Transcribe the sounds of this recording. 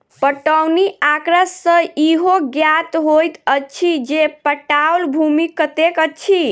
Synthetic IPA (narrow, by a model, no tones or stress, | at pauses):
pəʈəwniakɾəsːə̃iɦoɡjat̪ɦojt̪ət͡ʃʰid͡ʒepəʈawlbʱumikət̪ekət͡ʃʰi